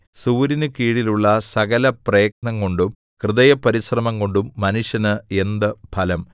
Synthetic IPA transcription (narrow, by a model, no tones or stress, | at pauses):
suːɾinɨkiːɽiluɭːɐsɐɣɐlɐprɐjɐk̚nɐŋko̞ɳɖum | krɨðɐjɐpːɐɾisrɐmɐŋɡo̞ɳɖumːɐnuʂjɐnɨe̞nd̪ɨbʱɐlɐm